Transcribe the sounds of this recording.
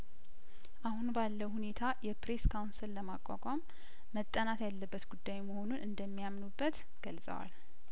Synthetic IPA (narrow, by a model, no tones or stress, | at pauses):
ʔahunbalːəwhune̞t̪ʰajɛpɾe̞skʰawnsɨlːəmakʷʼa̰kʼamː | ət̪ʼːənat̪jalːəbːət̪ɡud̪ːajməho̞nunʔɨnd̪əmːijamnubːət̪ | ɡ̥əlsʼə̰wa̰l